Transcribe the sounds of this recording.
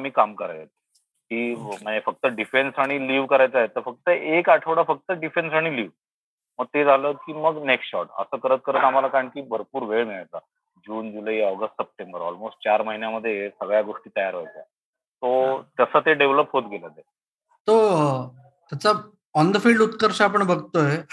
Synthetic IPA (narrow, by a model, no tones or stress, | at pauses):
miːkamkəɾaet̪̚ | kiːm̤əɳd͡zefək̚t̪əɖifensaɽ̃iliːʋkəɾajt͡saɦet̪əɾfək̚t̪əʔekaʈʰəʋɽafək̚t̪əɖifensaɽ̃iliːʋ | məɡ̚t̪ed͡zʱaləkiːməɡneksʈɕɔ̰ʈə̰səːkəɾət̪̚kəɾət̪amalakaɾəɳkiːbəɾpuːɾʋeɭmiɭajt͡sa | d͡ʑuːnd͡zulaiːɔɡəsʈsəp̚ʈembəɾɔ̰lmosʈ̚t͡ɕaɾməɦinjaməd̪ʱːjesəɡɭjaɡoʂʈiːt̪əjaɾɦojt͡sa | t̪ot̪əsəːt̪eɖeʋləpɦot̪ɡelət̪e | t̪o | t̪jat͡sa | ɔnd̪əfiɭɖut̪kəɾɕaapəɳbəɡt̪oɦe